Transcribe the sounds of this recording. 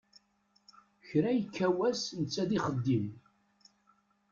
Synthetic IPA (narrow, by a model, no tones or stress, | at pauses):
çɾæjəkʰːæwæsnət͡sːæðiχəd̪ːim